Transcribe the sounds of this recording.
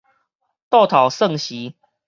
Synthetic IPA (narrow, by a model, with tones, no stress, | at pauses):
t̪ɑ˥˨ʊt̪ʰɑ˨˩ʊsɤ˥˨ŋɕi˨˦